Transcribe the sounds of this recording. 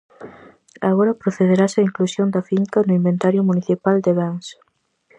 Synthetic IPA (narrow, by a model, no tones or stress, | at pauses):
a̰ɣoɾɐpɾoθeð̞eɾasɐiŋklusjond̪ɐfiŋkɐnʊimbent̪aɾjʊmuniθipald̪eβɛŋs